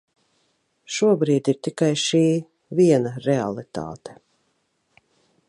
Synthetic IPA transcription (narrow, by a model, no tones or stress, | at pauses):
ʃuɔbɾiːd̪iɾt̪ikajʃiː | viɛnaɾɛa̰lˠit̪a̰ːt̪e̥